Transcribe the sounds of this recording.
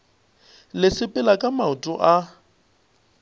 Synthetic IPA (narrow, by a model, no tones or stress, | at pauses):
lɪsɪpʼɪlakʼamaʊtʼʊ̰ʔa